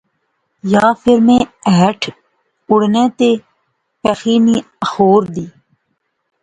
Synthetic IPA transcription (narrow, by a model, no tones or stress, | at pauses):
jaːfʰɪɾmẽːɛːʈʰ | ʊɽnẽːt̪eː | pɛxiːniː | əxoːɾd̪iː